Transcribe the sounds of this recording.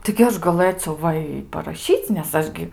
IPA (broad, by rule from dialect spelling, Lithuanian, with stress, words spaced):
tɐɪ ɡʲɪ ˈɐʃ ɡɐˈlˠɘt͡sʲɛʊ ˈʋɐ ɪ pɐrɐˈʃʲiːt͡sʲ nʲɛs ˈɐʃ ɡʲɪ